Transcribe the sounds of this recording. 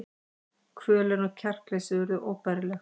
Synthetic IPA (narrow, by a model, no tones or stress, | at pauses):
kʰɾœːlɛnɔɣcʰɛr̥klejsʏvɛɾʏʔoːwpaɾɪlɛx